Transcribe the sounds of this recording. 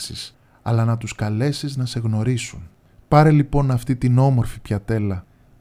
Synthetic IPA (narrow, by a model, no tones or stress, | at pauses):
sis | ɐ̰lɐnɐt̪uskɐle̞siznɐse̞ɣno̞ɾisun | pɐɾelipo̞nɐft̪it̪ino̞mo̞ɾfipçɐt̪e̞lɐ